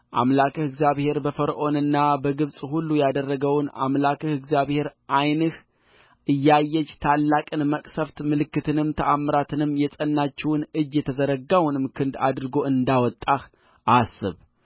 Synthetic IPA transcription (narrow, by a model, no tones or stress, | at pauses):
ʔa̰mlakʰəhɨɡzijaβhe̞ɾbəfəɾʔo̞nɨnːabəɡɨβsʼhulːujad̪ərːəɡəwna̰mlakʰəhɨɡzjaβhe̞ɾʔajnɨh | ʔɨjːajːɛt͡ʃːt̪ʰalːakʼɨnməkʼsəft̪mɨlɨkːɨt̪ʰɨnɨmt̪ʰəʔamːɨɾat̪ʰɨnɨmːjɛsʼənːat͡ʃːɛwnɨd͡ʒjɛt̪ʰəzəɾəɡawnɨmkʰɨnd̪a̰d̪ɾɨɡo̞ɨnd̪awɔt̪ʼːah | ʔasːɨ̰β